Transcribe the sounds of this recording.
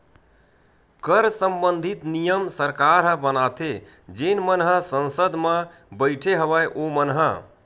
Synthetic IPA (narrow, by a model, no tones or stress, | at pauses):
kəɾsəmbənd̪ʱit̪nijəmsəɾkaɾɦə̃bənat̪ʰe | d͡ʒenmənɦəsə̃nsəd̪ʱmẽ | bəɪʈʰeɦəβəjʔomənɦə